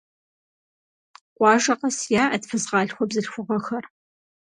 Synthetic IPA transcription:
qʷɑːʒɐqɐsjaːʔɐdfɨzʁɑːɬxʷɔbzɨɬxʷʊʁɐxɐr

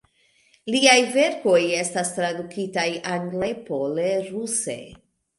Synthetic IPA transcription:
liajve̞ɾko̞je̞stastɾadukitajanlepo̞leɾuse̞̰

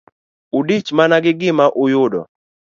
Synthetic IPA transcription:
udit͡ʃmanaɡɪɡɪmaʔʊjʊdɔ̰

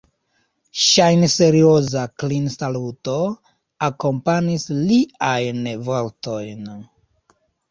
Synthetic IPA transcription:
ʃajnse̞ɾiozaklinsaluto | ako̞mpanisliajnvolto̞jn

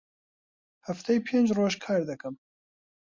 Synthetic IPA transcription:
hæft̪ʰɛjpʰeːnd͡ʒroːʒkʰaːɾd̪ɨkɨm

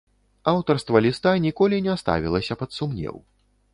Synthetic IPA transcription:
awt̪ɐrst̪vɐlʲist̪anʲikɔlʲinʲɛst̪a̰vʲilˠɐsʲɐpɐt̪sumnʲɛ̰w

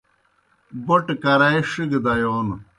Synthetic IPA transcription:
boʈkɐɾɐeʂiɡd̪ɐjoːn

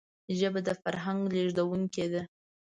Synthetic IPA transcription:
ʒəbad̪əfaɾɦaŋɡleʒd̪awuŋked̪a

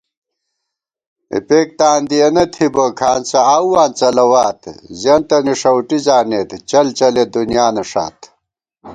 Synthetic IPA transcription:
ḛpeːk̚t̪aːnd̪ijɐnɐt̪ʰibokʰaːnt͡sɐaːwwaːnt͡sɐlɐwaːt̪zɐnt̪ɐniʂɐwʈizaːneːt̪t͡ɕɐlt͡ɕɐled̪unjaːnɐʂa̰ːt̪

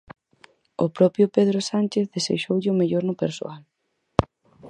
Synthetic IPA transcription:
ʊpɾɔpɾjʊpeðɾʊsanʲt͡ʃeθðesḛʃowʎɪʊmeʎoɾnʊpeɾso̰al

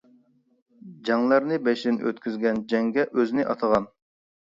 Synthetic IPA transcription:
d͡ʒɑŋlˠɑɾnɨbɛʃd̪ɪnø̰t̪kʲʰyzɡʲɛnd͡ʒɛŋɡʲɛʔøzɪnɪʔɑt̪ʰəʁɑn

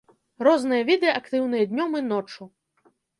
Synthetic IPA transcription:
rɔznɨjɐvʲid̪ɨjɐʔɐkt̪ɨwnɨjɐd̪ʲnʲɔmɨnɔt͡ʂu

